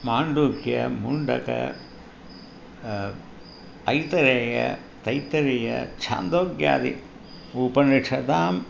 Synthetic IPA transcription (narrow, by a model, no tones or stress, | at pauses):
maːɳɖuːkjɐ̰muɳɖɐ̰kɐ̰ | ɐjt̪ɐɾeːjɐ̰ | t̪ɐjt̪ːɐɾejɐ̰t͡ʃʰa̰ːnd̪oːɡja̰ːd̪ḭ | upɐniʂɐt̪aːm